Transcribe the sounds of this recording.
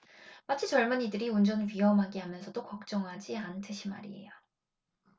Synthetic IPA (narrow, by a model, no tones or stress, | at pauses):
mat͡ɕʰit͡ɕʌɭmɯɲidɯɾiund͡ʑʌnɥiɦʌmɦaɡiɦamjʌnsʰʌdokʌk̚t͡ɕ͈ʌŋɦad͡ʑiantʰeɕʰima̰ɾḭḛjo